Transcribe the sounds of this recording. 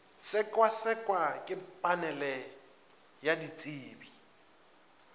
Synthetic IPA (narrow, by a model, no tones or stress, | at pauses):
sɪkʼwasɪkʼwakʼɪpʼanɛlɛ | jadit͡sʼiːbi